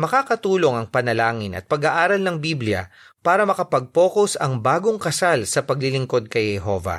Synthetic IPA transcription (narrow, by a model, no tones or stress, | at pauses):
mɐkaːkɐt̪uːlo̞ŋɐŋpɐnɐlaːŋɪnʔɐ̰t̪̚pɐɡaʔaːɾɐlnɐŋbiblɪjɐ̰ | paːɾɐmɐkɐpɐɡ̚po̞ːkosɐŋbaːɡo̞ŋkɐsalsɐpɐɡlɪlɪŋko̞d̪̚kɐjhɛɦovɐ̰